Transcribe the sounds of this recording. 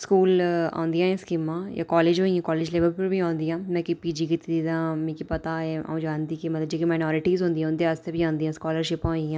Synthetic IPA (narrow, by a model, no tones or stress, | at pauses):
skuːlã̰ːnd̪ijãːɛ̃skimːãja̰kɔːleːd͡ʒɦoːĩɛ̃kɔːleːd͡ʒleːʋəɾpuɾbʱiãːnd̪ijãːmɛ̃ːkipiːd͡ʒikɪt̪ʰd̪id̪ãːmẽːkipɐt̪aɛa̰ũd͡ʒãːnd̪iːkemɐt̪ləbd͡ʒeːkimaːɪnɔːɾɪʈiːzɦõːnd̪ijãʊ̃nd̪east̪ebʱiãːnd̪ijãːskɔːləɾʃɪpõːĩãː